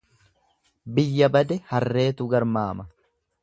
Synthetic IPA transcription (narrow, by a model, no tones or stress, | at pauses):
bɪjːɐbɐd̪ɛhɐrːe̞ːt̪ʊɡɐɾmaːmɐ